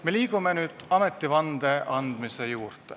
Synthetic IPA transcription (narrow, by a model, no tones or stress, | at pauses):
me̞liːɡ̥ume̞nyːd̪̥ɑme̞t̪ːˑivɑnd̪e̞ʔɑnd̪̥mise̞juːrt̪ˑe